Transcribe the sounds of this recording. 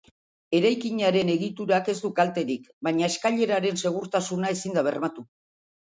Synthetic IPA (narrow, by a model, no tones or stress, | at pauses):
e̞ɾajkiɲaɾe̞ne̞ɣit̪uɾake̞zd̪ukalt̪e̞ɾikbaɲaeskaʎe̞ɾaɾe̞nse̞ɣ̞uɾt̪asunaesind̪aβ̞e̞̰rmat̪u